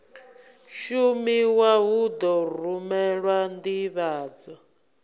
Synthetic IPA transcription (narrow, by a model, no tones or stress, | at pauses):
ʃumiwaɦud̪ɔrumɛɺwandiβaːd͡zɔ